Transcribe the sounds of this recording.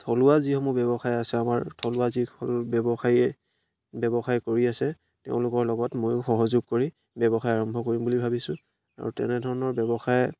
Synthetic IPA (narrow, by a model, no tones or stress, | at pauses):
tʰɔlʊwazixɔmɔbɛbɔxajasɛamaɹtʰɔlʊwaziɔlbɛbɔxaiɛ | bɛbɔxajkoɹiasɛ | tḛʊ̃lʊkɔɹlɔɡɔtmojxɔɦɔzʊɡ̚koɹi | bɛbɔxajaɹɔmbʱɔkoɹimbulibʱabisʊ̃ | a̰ɹṵtɛ̰nɛdʱɔɹɔnɔɹbɛbɔxaj